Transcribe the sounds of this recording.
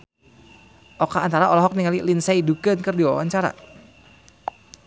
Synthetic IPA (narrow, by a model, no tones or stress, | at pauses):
ʔɔkaːnt̪aɾaɔlɔɦɔk̚niŋalilinsaidukənkɨrdiwa̰waɲt͡ʃaɾa̰